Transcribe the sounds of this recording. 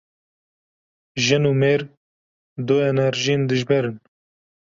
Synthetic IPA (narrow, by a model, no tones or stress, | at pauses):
ʒɨnuːmeːɾ | d̪oːɛnɛɾʒijend̪ɨʒbɛɾɨn